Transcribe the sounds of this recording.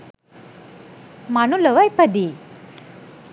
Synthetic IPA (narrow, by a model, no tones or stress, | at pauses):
manuləʋajpəd̪i